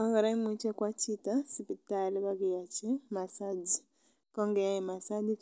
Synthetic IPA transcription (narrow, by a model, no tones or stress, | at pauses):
ɔŋɡaɾaimut͡ʃekwat͡ʃitasipitaliβaɡejat͡ʃɛmasadi | koŋɡɛjajimasadik